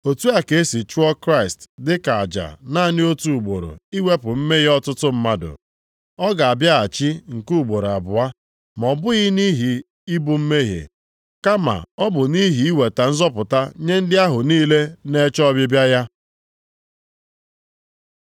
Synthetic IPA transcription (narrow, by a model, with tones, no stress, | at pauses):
o˨tu˦a˨ke˨˦e˦si˨t͡ʃu˦ɔ˦kɾa˦ɪ˨stdɪ˦ka˨a˨d͡ʒa̰˨na˦˨nɪ˦o˦tu˦˨u˨ɡ͡bo˨ɾo̰˨i˦we˦pʊ˨m̩˦me˦ɣi˦ɔ˦tʊ˦tʊ˦m̩˦ma˦dʊ̰˨ | ɔ˦ɡa˨a˨bja˦a˨t͡ʃi˦ŋ̩˨ku˦u˨ɡ͡bo˨ɾa˨bʊ˨a˦ | m˨ɔ˨bʊ˦ɣi˦ni˦ɦi˨ | i˦bu˦m̩˦me˦ɦḛ˨ | ka˦ma̰˨ɔ˦bʊ˨ni˦ɦi˨˦i˦we˨ta˨n̩˦zɔ˦pʊ˨ta˦ɲe˦n̩˦dɪ˦a˦ɦʊ˨niː˦le˦ne˦t͡ʃɔ˦bɪ˦bja˦ja˦